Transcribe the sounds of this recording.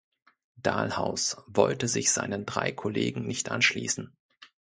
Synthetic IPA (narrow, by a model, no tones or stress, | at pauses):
d̥aːlhaʊsvɔltəzɪçz̥aɪnəndʁa̰ɪkʰɔleːɡŋ̩nɪçtʔa̰nʃlḭːsn̩